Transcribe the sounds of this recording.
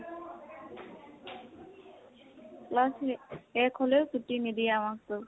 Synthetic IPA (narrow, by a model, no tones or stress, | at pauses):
lasɛkʰɔlesutinidiamak̚tʊ